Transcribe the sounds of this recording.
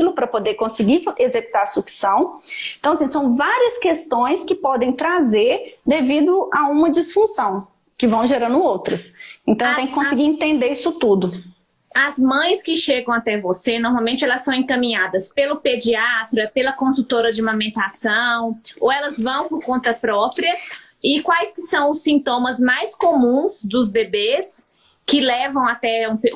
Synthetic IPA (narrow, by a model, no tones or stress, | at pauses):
ilʊpɾɐpod̪eɾkõsɪɡiezeku̥t̪aɾsuksɐ̃w̃ẽt̪ɐ̃w̃ɐsĩsɐ̃w̃vaɾiɐskest̪õj̃skɪpɔd̪ẽj̃t̪ɾazeɾd̪evid̪ʊʔaũmɐd͡ʒisfũsɐ̃w̃ | kɪvɐ̃w̃ʒeɾɐ̃nd̪ʊowt̪ɾɐsẽnt̪ɐ̃w̃t̪ẽj̃kɪkõsɪɡiɾẽt̪ẽnd̪eisʊt̪ud̪ʊ | ɐzmɐ̃j̃skɪʃeɡɐ̃w̃at̪ɛvosenɔɾmawmẽnt͡ʃɪɛlɐssɐ̃w̃ẽkɐ̃mĩɲad̪ɐspelʊped͡ʒiat̪ɾɐpelɐkõsut̪oɾɐd͡ʒɪmɐ̃mẽnt̪asɐ̃w̃owɛlɐzvɐ̃w̃pʊɾkõnt̪ɐpɾɔpɾiɐ | ɪkwajskɪsɐ̃w̃ʊsːĩnt̪õmɐzmajskomũzd̪ʊzbebes | kɪlɛvɐ̃w̃at̪ɛũpe